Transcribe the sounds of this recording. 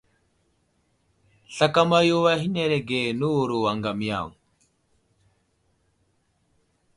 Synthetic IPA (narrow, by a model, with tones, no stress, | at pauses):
ɬa˨ka˦ma˦jo˦wa˦ɦi˦ne˦˨ɾe˨ɡe˨nu˦wu˨ɾu˨wa˨ŋɡa˨m˦ja̰˦˨ŋ